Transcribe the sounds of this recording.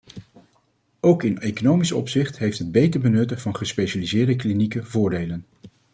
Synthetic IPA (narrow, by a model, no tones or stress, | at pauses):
owkɪnejkonowmisɔ̰psɪχtɦejftɦəd̚bejtəɹbənɵtəvɑnχəspejʃalizɪːɹdəklinikəvʊːɹdejlən